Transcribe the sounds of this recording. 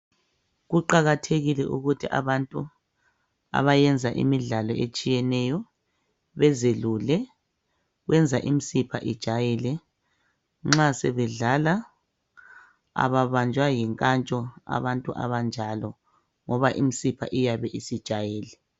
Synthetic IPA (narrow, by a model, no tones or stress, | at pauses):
ɣuǃaɣatʰeɣilɛ̰ʔuɣutʰiʔa̰βantʼu | a̰βajɛnd͡zʱaʔḭmiɮalɔet͡ʃʼijɛnɛjɔ | βɛzelulɛ | ɣwɛnd͡zʱaʔimisipʰa̰ʔid̥ʒ̥ʱajilɛ | ŋ͡ǁasɛβɛɮala | a̰βaβand͡ʒʱwajiŋkʼant͡ʃʼɔa̰βantʼuʔa̰βand͡ʒʱalɔ | ŋɔβaʔimisipʰa̰ʔijaβɛʔisid̥ʒ̥ʱajiːlɛ